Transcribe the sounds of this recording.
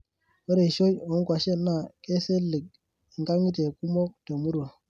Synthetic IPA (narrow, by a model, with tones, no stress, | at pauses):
o˦ɾe˨ʃo˦jo˨u˦kwa˨ʃe˦nːa˦˨ke˦se˦lːi˨k̚ | i˨ŋka˦ŋi˦te˨ku˦mo˦k̚to˨mu˦ɾwa˨